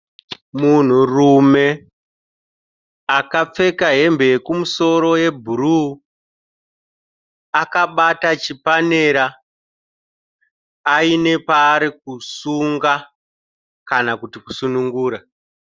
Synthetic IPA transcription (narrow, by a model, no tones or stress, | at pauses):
mun̤urume̞ | akap͡fe̞kaɦe̞mbe̞ekumuso̞ɾo̞je̞bʱuru | akaɓatat͡ʃipane̞ɾa | ine̞paːɾik̚usuŋɡa | kanakutiku̥sunuŋɡuːɾa